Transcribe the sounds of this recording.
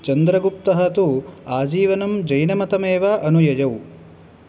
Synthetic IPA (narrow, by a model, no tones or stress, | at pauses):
t͡ʃɐnd̪ɾɐɡup̚t̪ɐɦɐt̪uaːd͡ʒiːʋɐnɐmd͡ʒɐjnɐmɐt̪ɐmeːʋɐʔɐnujɐjɐw